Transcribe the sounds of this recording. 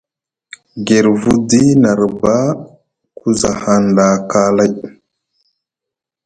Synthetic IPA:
ɡe˨ɾvu˦di˦na˨ɾba˦ | ku˦za˨ha˨nda˨ka˦la˦j

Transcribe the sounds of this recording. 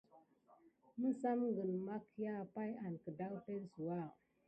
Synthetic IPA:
mə˦sa˦mɡə˨nma˦kja˦pa˦ja˨nkə˨da˦wte˦lsu˨wa˦˨

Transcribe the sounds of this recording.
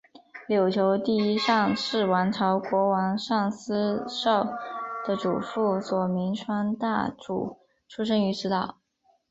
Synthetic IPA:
ljo˨˩ʊt͡ɕʰjo˧˥ʊt̪i˥˩i˥ʂɑ˥˧ŋʂɻ̩˥˩wa˧˥nʈ͡ʂʰɑ˧˥ʊkwɔ˧˥wɑ˧˥ŋʂɑ˥˩ŋsɹ̩˥ʂɑ˥˩ʊd̪̥ə˨ʈ͡ʂṵ˨˩fu˥˩swɔ˨˩mi˧˥ŋʈ͡ʂʰwa˥nt̪a˥˩ʈ͡ʂṵ˨˩ | ʈ͡ʂʰu˥ʂ̬ə˥ŋy˧˥ʂɻ̩˧˥t̪ɑ˥˩ʊ

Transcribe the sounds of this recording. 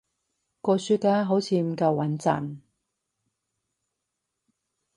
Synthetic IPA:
kɔː˧syː˧t̚kaː˧˥ɦo˨˥wt͡sʰiː˧m̩˨˩kɐ˧wwɐ˨˥nt͡sɐ̰˨˩n

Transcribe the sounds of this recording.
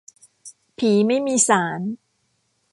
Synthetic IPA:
pʰiː˩˦ma˥˩jmiː˧saː˩˦n

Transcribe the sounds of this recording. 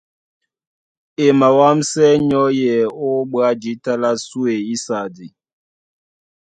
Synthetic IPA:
e˨ma˨wa˦msɛ˦ɲɔ˦jɛ˨o˦ɓwa˦d͡ʒi˨˦ta˦la˦su˦e˨i˦sa˨di˨

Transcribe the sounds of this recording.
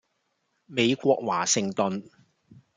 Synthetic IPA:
me˨˧jkʷɔː˧k̚wa̰ː˨˩sɪ˨ŋt̪ɵ˨n

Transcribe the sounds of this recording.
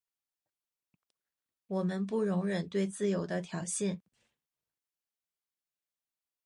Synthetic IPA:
wɔ˨˩mə˦np̬u˥˩ɻʊ˧˥ŋɻə˨˩nt̪we˥˧ɪt͡sɹ̩˥˩jo˧˥ʊd̪ə˦t̪ʰjɑ˨˥ʊɕɛ˥˩n

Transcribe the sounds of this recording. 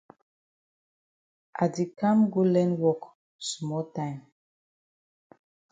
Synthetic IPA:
ʔa˨di˨kʰã˦mɡu˦lɛ̃˦nwɔ˦k | smɔ˦ltãɪ̃m

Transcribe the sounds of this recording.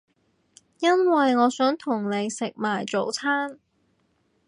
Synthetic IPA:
jɐ˥nwɐ˨jŋɔː˨˧sœː˨˥ŋt̪ʰʊ˨˩ŋne˨˧jsɪ˨k̚maː˨˩jt͡so˨˧wt͡sʰaː˥n

